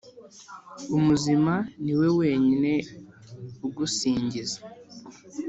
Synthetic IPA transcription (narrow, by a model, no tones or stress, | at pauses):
umuzimaniwe̞we̞ːɲine̞ | uɡusiːɲɟizḁ